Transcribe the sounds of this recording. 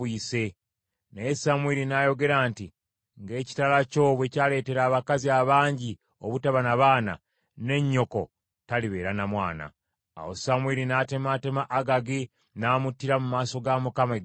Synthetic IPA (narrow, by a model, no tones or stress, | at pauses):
iːse̞ | neesamwiɾinajo̞ɡe̞ɾaːnti | ŋɡe̞ːci̥talaco̞ːβwecaːle̞ːte̞ɾaːβakaziaβaːɲɟi | oβutaβanaβaːna̰ | ne̞ɲːo̞ko̞ | taliβe̞ːɾanamwaːna̰ː | wosamwiɾinate̞mate̞maʔːɡaɡi | naːmutːiɾamumaːso̞ɡamukame